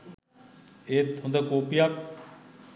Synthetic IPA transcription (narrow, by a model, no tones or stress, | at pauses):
et̪ʰõnd̪akoːpijak